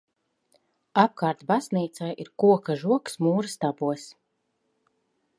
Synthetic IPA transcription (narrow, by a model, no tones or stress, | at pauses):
ap̚kaːɾt̪bazniːt̪sajiɾkuɔkaʒuɔksmuːɾɨst̪abuɔs